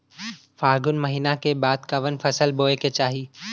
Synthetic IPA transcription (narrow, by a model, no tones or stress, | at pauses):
faːɾɡʊnmɐɦiːnakebaːd̪kɐʋənfʰɐsəlboːeket͡ʃaːɦiː